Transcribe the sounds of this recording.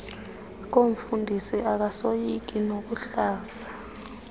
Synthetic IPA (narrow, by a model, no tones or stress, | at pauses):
k̬oɱ̩fundʱisiʔak̬asojik̬inok̬uɬaːsḁ